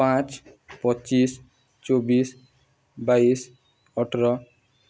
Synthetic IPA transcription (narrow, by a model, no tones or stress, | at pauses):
pãt͡s | pʌtːt͡ʃis | t͡ʃobis | bais | ʌʈʰɾʌ